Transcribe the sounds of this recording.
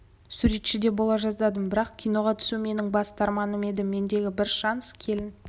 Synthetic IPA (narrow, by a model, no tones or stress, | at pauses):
suɾe̞t̪ʃɪd̪e̞bo̞lˠɑʒɑzd̪ɑd̪əmbɪɾɑqkʲʰijno̞ʁɑt̪ʰʏ̥sume̞nɪŋbɑst̪ʰɑɾmɑnəme̞d̪ɪmːe̞nd̪e̞ɡʲɪbɪɾʃɑnskʲʰe̞lɪn